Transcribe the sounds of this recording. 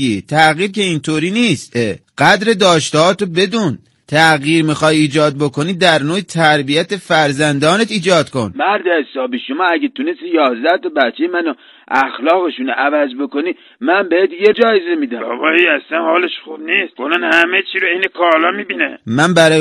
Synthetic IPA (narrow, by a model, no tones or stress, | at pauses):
it̪ʰæɣiːɾkʲe̞int̪ʰoːɾiːniːst̪ʔeɢ̥æd̪ɾe̞d̪ɒːʃt̪ɦɒːt̪obe̞d̪uːn | t̪ʰæɣiːɾmixɒːjiːd͡ʒɒːd̪̚bo̞kʰo̞niːd̪æɾnoːjet̪ʰæɾbijæt̪efæɾzænd̪ɒːnet̪iːd͡ʒɒːd̪kʰo̰nmæɾd̪eesɒːbiːʃomɑːæɡet̪ʰunest̪ijɒːzd̪æht̪ɒbætt͡ʃʰːejemæno | ʔæxlɒːɣeʃunʔævæzbokoniː | mænbeet̪jed͡ʒɒːjezemid̪æɒ̰bɒiæsænhɒːleʃχub̚niːst̪̚ɡonænhæmet͡ʃʰiɾoenekʰɒlɒmibinæmænbæɾɒː